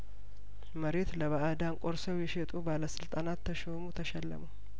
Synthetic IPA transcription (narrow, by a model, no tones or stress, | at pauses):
məɾe̞t̪ləβaʔad̪aŋkʼoɾsəwjɛʃet̪ʼubaləsɨlt̪ʼanat̪ʰːəʃomut̪ʰəʃɛlːə̰məw